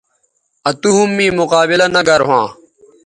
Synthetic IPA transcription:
ɐt̪uɦumːĩːmʊqaːbɪlɐnɐɡɐɾɦãː

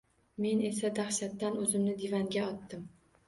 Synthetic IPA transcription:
me̞ne̞sad̪ahʃat̪ːanɵzɪmnɪd̪evaŋɡʲaɒt̪ːɪm

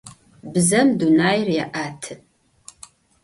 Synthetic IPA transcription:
bɨzɐmdunaːjrjaʔaːtʰɨ

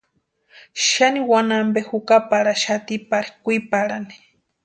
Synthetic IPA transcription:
ʃaniwanambehukapaɾaʃat̪ipaɾikʷipaɾani̥

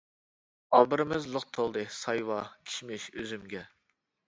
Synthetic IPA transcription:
ɑbɨɾɨmɪzlˠʊq̚t̪ʰolˠd̪ɨsɑjwɑkʲʰi̥ʃmɪʃøzymɡʲɛ

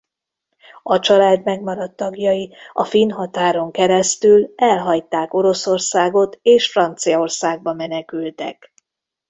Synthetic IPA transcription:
ɒt͡ʃɒlaːd̪mɛɡmɒɾɒt̪ːɒɡjɒjiɒfinɦɒt̪aːɾo̞ŋkɛɾɛst̪ylɛlɦɒjt̪aːko̞ɾo̞so̞rsaːɡo̞t̪eːʃfrɒnt̪sijɒorsaːɡ̚bɒmɛnɛkylt̪ɛ̰k

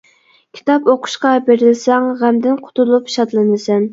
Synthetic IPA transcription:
kʲʰi̥t̪ʰɑpoqʰʊ̥ʃqɑbeɾɪlɪsɛŋʁæmd̪ɪnqʰʊ̥t̪ulˠupi̥ʃɑt̪lˠɨnɨsɛn

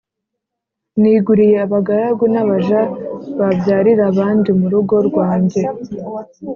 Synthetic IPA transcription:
niːɡuɾije̞aβaɡaɾaɡunaβaʒaβabjaːɾiɾaβaːndimuɾuɡo̞ɾɡwaːɲɟe̞

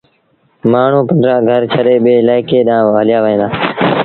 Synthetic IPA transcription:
maːɳ̤ũːpənd̪ɾãːɡʱəɾt͡ʃʰəɗeːɓeːɪlaːɪkeːɗãːɦəlɪjaːʋəẽːnd̪aː

